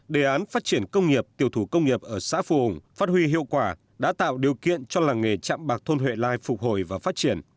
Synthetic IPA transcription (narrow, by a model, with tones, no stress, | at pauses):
ɗe˧˨˩ʔaː˨˦nfaː˦˥t̚t͡ɕi˧˩ənkə˧wŋ͡mŋi˨˩əp̚t̪i˧˨əwt̪ʰu˧˩kə˧wŋ͡mŋi˨˩əp̚ʔəː˧˩sa̰ː˧˥fṵ˧˩hʊ˨˧˩ŋ͡mfaː˦˥t̚hwi˧ɦḭ˧˨əwkwaː˧˩ | ɗa̰ː˧˥t̪a̰ː˧˨wɗi˨˩əwkḭ˧˨ənt͡ɕɔ˧laː˨˩ŋe˨˩t͡ɕa̰ː˧˨mɓaː˨˩k̚t̪ʰo˧nɦwḛ˧˨laː˧jfʊ˨˩k͡p̚ho˧˩jvaː˨˩faː˦˥t̚t͡ɕi˧˩ən